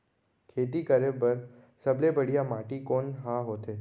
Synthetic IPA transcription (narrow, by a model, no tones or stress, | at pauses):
kʰeːt̪ikəɾebəɾ | səblebəɽ̤ijamaʈikonɦãɦot̪ʰe